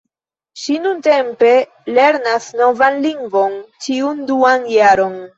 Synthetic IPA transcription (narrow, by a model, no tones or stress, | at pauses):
ʃinunte̞mpe̞ | le̞ɾnasno̞vanliŋɡvo̞nt͡ʃiunduanjaɾo̞n